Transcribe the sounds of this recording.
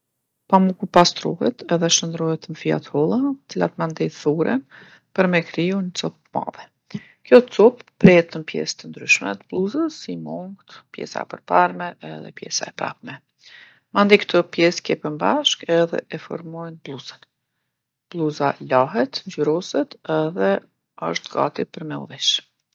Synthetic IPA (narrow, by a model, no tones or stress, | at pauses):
pamukupast̪ɾɔɦɛt̪ɛðɛʃənd̪ɾɔhɛt̪mfia̰t̪hɔlˠat̪ə̥t͡sila̰t̪mand̪ɛθuɾʔɛ̰n | pəɾmɛkɾijunət͡sɔp̚ma̰ðɛ | kjɔt͡sɔpːɾɛɛt̪ənpjɛ̰st̪ənd̪ɾyʃmɛ̰t̪əblˠuzəsimɔŋɡt̪pjɛ̰sa̰ɛ̰pəɾpaɾmɛʔɛðɛ̰pjɛ̰sa̰ɛpɾa̰pmɛ | mand̪ijkt̪ʰəpjɛskɛpəmbaʃkɛðɛ̰ʔɛfɔ̰ɾmɔjnblˠuzən | b̥lˠuzalaɦɛt̪ɲd͡ʒyɾɔsɛt̪ɛðɛ | əʃt̪ɡa̰t̪ipəɾmɛṵðiʃ